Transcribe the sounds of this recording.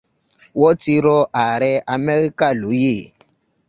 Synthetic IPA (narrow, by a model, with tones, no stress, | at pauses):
wɔ˦ti˧ɾɔ˦ʔa˨ɾɛ˦a˧mɛ˦ɾi˦ka˦˨lu˨˦je˦˨